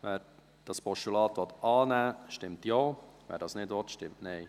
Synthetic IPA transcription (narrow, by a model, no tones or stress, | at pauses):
ʋɛːɾ | d̥ɑspɔʃtulɑːtʋɔt̪ɑːnæːʃtɪmtjoːʋɛ̰ɾdɑːsnɪtʋɔtʃtɪmtnɛɪ